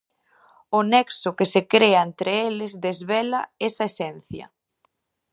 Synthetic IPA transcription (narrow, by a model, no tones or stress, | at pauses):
ʊnɛksʊkɪsekɾeɐent̪ɾeelɪzðezβelaesɐesɛn̟θjɐ̰